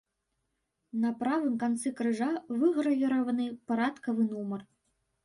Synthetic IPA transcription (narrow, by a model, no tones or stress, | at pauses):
nɐpɾavɨmkant̪sɛkɾɨʐavɨɣɾɐvʲiɾɐvɐnɨpaɾat̪kɐvɨnumɐr